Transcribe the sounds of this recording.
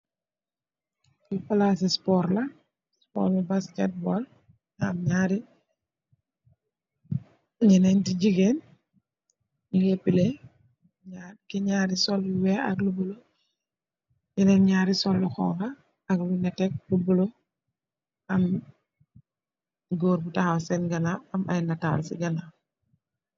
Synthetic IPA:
kipalasispɔːɾlɐ | spɔ̰ːɾlabaskɛt̚bɔl | amɲaɾi | ɲinɛntiɟiɡen | ɡɛpːilɛ | ɲakiɲaːɾisɔliwɛɐ̰klubulo | ɲɛnɛnɲaːɾisɔlːuxɔ̰ŋxɐ | ɐklunɛtɛk̚lubulo | ɐm | ɡoːɾbutasɛnɡɐnaɐma̰jnɐta̰ːlsḭɡɐna

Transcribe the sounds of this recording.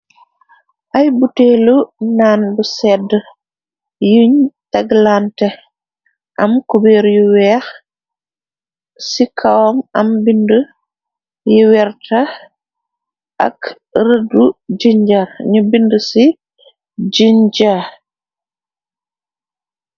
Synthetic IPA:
ʔajbuteːlunaːnbusɛdə | jiɲtaɡlantɛ | ʔamkubeːɾjuwɛx | sikʰawɔmambində | jiwɛɾtʰa | ʔa̰k | ɾədud͡ʒiɲd͡ʒaɾɲubindəsi | d͡ʒiɲd͡ʒa

